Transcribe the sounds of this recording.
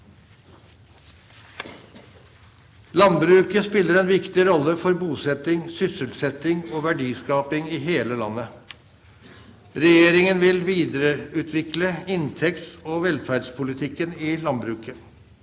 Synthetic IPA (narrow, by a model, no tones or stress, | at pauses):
lɑnbɾʉːkəspɪlːəɾɛnʋɪkt̪ɪɾɔlːəfɔɾbuːsɛt̪ɪŋsʏsəlsɛt̪ɪŋoːʋæɖiːskɑːpɪŋiːɦeːləlɑnːə | ɾɛjeːɾɪŋənʋɪlʋiːd̪əɾəʉːt̪ʰʋɪkləɪnt̪ʰɛkt̪oːʋɛlfæːɖspʰʊlɪt̪ʰɪkːənɪːlɑnbɾʉːkə